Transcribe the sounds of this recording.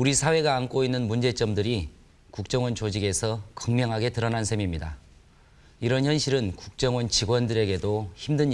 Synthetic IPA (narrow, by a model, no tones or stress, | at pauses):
uɾisʰawe̞ɡaːnk͈oinːɯnmund͡ʑe̞t͡ɕ͈ʌmdɯɾi | kuk̚t͡ɕ͈ʌŋwʌnt͡ɕod͡ʑiɡe̞sʰʌkʌŋmjʌŋɦaɡe̞tɯɾʌnansʰe̞mimɲida | iɾʌnçjʌnɕʰiɾɯnkuk̚t͡ɕ͈ʌŋwʌnt͡ɕiɡwʌndɯɾe̞ɡe̞doçimdɯɲ